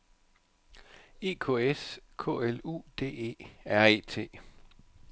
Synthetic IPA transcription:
e̝̰ːkʰo̝ːeskʰɔ̰̽ːelṵːd̥e̝̰ːe̝̰ːæɐe̝̰ːt͡sʰe̝̰ː

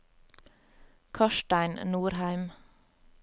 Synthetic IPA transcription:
kʰɑʃʈæɪnnuːɾhæɪm

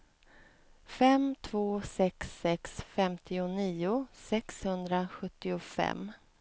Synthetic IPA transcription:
fɛmt̪ʰvoːsɛksːɛksfɛmt̪ʰɪʊniːʊsɛkshɵnd̪ɾaɧɵt̪ːɪʊfɛ̰mː

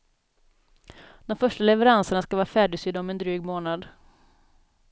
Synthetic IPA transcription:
d̪ɔmfœʂʈalɛvɛɾansəɳaskavɑːɾafæːɖɪsyːd̪ɔmɛnd̪ɾyːɡmoːnad̪

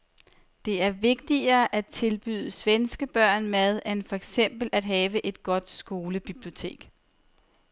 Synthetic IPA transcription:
d̥e̝æɐʋe̝ɡ̥̚d̥iɐːʔæt͡sʰe̝lb̥y̰ð̞ˠəsʋensɡ̥əb̥ɶɐ̰nmæð̞ˠænfɒ̽eɡ̥sem̰b̥l̩æd̥ɦɛːʋəʔe̝d̥ɡ̥ɒ̽d̥sɡ̥o̝ːləb̥ib̥lio̝t͡sʰe̝̰ːɡ̥

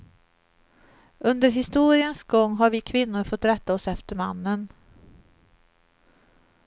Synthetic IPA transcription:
ɵnd̪əɾɦɪst̪uːɾɪənsɡɔŋːɦaɾvɪkʰvɪnːʊɾfɔt̪ːɾɛt̪ːaɔsɛft̪əɾma̰nːən

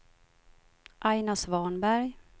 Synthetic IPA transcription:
ʔajnasvɑːnbæɾj

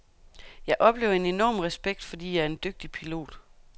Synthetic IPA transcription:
jɑ̈ɪʔɒ̽b̥le̝ːʊɐe̝ne̝nɒ̰ːmʁɛsb̥eɡ̥̚d̥fɒ̽d̥ḭːjɑ̈æɐe̝nd̥øɡ̥̚d̥ipʰilo̝̰ːd̥

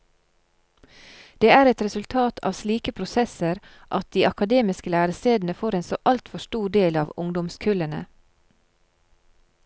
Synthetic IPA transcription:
d̪̥eːæːɾɛt̪ɾɛsʉlt̪ʰɑːt̪ʰɑ̰ːʋsliːkəpʰɾʊsɛsəɾ | ʔɑt̪̚d̪iːʔɑkɑd̪eːmɪskəlæːɾəst̪eːd̪n̩əfoːɾeːnso̰ːʔɑlt̪fɔʃtuːɖeːlɑːʋʊŋd̪ɔmskʰʉlənə̰

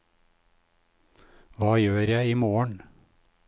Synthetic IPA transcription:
ʋɑːjøːɾjæɪiːmoːəɳ

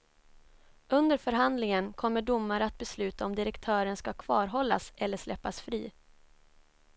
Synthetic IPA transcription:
ʔɵnd̪əɾfœɾɦand̪lɪŋənkʰɔmːəɖʊmːaɾəat̪̚bɛslʉ̟ːt̪aɔmd̪ɪɾɛkt̪ʰœːɾənskakʰv̥ɑːɾɦɔlːa̰sɛlːəʂlɛpːasfɾiː

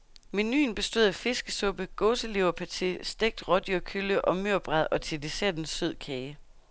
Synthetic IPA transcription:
me̝ny̰ːnb̥e̝sd̥o̝ð̰ˠæfe̝sɡ̥əsɔ̽b̥əɡ̥ɔːsəle̝ʊɐpʰæt͡sʰisd̥eɡ̥̚d̥ʁɒ̽d̥jøkʰyləʔɒ̽møɐ̰b̥ʁɑðˠɒ̽t͡sʰe̝d̥e̝seɐd̥n̩søð̞̰ˠkʰɛː

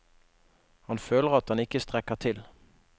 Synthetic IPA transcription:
hɑnføːləʁɑt̪̚hɑnɪkəst̪ʁɛkəʁt̪ʰɪl

